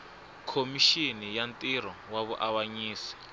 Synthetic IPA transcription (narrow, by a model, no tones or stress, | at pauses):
kʰomiʃinijantʼiɾɔwaβuʔawaɲiːsi̥